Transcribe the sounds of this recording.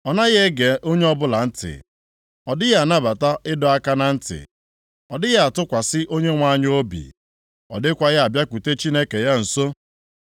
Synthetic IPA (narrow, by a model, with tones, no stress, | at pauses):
ɔ˨na˦ɣe˦ɡe˨ʔo˦ɲe˦ɔ˦bʊ˦la˨n̩˦tɪ̰˨ | ɔ˨dɪ˦ja˨na˦ba˨ta˦ʔɪ˦dɔ˦a˦ka˦na˨n̩˦tɪ̰˨ | ɔ˨dɪ˦ɣa˦a˨tʊ˦kʷa˨sɪ˦ʔo˦ɲe˦ŋʷa˦˨ɲ˦o˦bḭ˨ | ɔ̰˨dɪ˦kʷa˦ɣɪ˦a˨bja˦kʷu˨te˦t͡ʃi˦ne˦ke˨ja˦n̩˨so˦